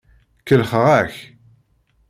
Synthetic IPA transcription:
kəlχəʁæç

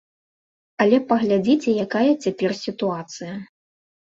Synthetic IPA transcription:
ɐlʲɛpɐɣlʲad͡zʲit͡sʲɛjakajɐt͡sʲapʲɛrsʲit̪uat̪sɨjɐ

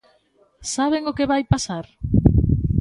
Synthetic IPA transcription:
saβ̞eŋokeβajpasaɾ

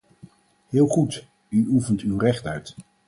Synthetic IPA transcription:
ɦɪːlˠχut | yufəntywrɛχtœɥt

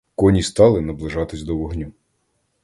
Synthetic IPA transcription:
kɔnʲist̪ɑlˠɪnɐblˠɪʒɑt̪ɪsʲd̪ɔʋɔɦnʲu

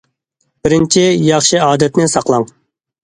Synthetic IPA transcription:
b̥ɪɾɪnt͡ʃʰijɑχʃiɑːd̪ɛt̪nɪsɑqlˠɑŋ

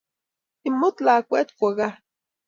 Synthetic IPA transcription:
imːot͡ɬakʷet̪kʷaɣah

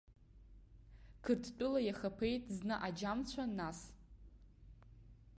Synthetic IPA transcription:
kʰɨrtʰt͡pʼʊlajaχapʰe̞jtʼznɨʔad͡ʒamt͡ɕʷʰanas

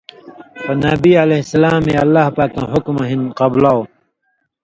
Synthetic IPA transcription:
xonɐbiːɐlehsɐlaːmeɐlːaːhpaːkːã̰ɦʊkmɐɦinqɐblao

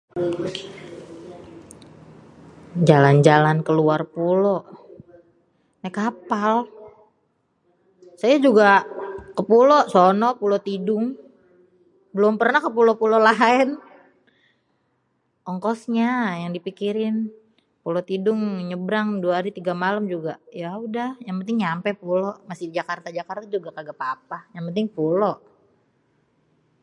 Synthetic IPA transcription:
d͡ʒaland͡ʒalankəluarpulɔʔ | nakapal | sajad͡ʒuɡakəpulɔʔsɔnɔpulot̪idʊŋ | bəlʊmpərnahkəpulopulolaɛn | ʔɔŋkɔsɲajaŋdipikiɾɪn | pulot̪idʊŋɲəbɾaŋduwaɦaɾit̪iɡamaləmd͡ʒuɡajaudahjaŋpənt̪ɪŋɲampɛpulɔʔmasɪdid͡ʒakart̪ad͡ʒakart̪ad͡ʒuɡakaɡəpapajaŋpənt̪ɪŋpulɔʔ

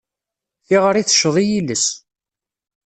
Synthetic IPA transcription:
θiʁəɾiθə̥ʃːəðˤijiləs

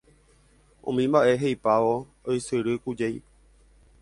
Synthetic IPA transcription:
õ̰mĩmbaʔe̞ɦejpaʋo | ojsɨɾɨkud͡ʒej

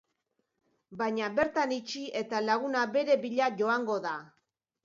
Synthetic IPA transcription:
baɲaβe̞ɾt̪anit͡ʃiʔe̞t̪alaɣunabe̞ɾe̞βiʎaʝo̞aŋɡo̞ða

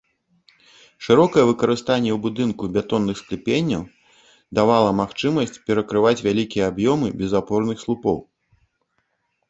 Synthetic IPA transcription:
ʂɨɾɔkɐjɛvɨkɐɾɨst̪anʲːɛwbud̪ɨnkubʲat̪ɔnːɨxsklʲipʲenʲːɐw | d̪avalˠɐmaxt͡ʂɨmɐsʲt͡sʲpʲɛɾɐkɾɨvat͡sʲvʲalʲikʲijɛabjɔmɨbʲɛzapɔrnɨxslˠupɔ̰w

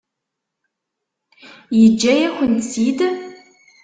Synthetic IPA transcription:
jɪd͡ʒɐjɛxʷʊnsiːdɐ

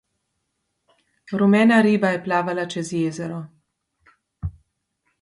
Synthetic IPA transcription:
ɾumɛːnaɾiːbajɛplaːʋalat͡ʃɛzjeːzɛɾɔ

